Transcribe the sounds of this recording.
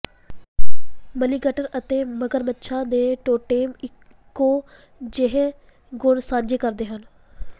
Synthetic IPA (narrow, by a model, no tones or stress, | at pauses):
məniɡəʈəɾət̪eːməɡəɾmətːʃʰãːd̪eːʈoːʈeːmɪ | kːoː | d͡ʒeɦẽ | ɡʊɳsãːɲd͡ʒeːkəɾd̪eːɦən